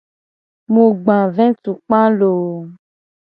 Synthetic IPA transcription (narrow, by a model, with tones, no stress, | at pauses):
mũ˨ɡ͡bã˨vɛ̃˦tu˨k͡pã˦lo˨